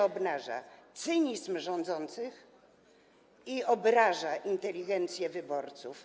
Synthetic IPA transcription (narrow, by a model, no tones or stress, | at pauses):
ɔbnaʐa̰t̪sɘɲizmʐɔnd̪zɔnt̪sɘx | iɔbɾaʐaʔint̪ɛlʲiɡɛnt̪sʲjɛvɘbɔɾt̪suf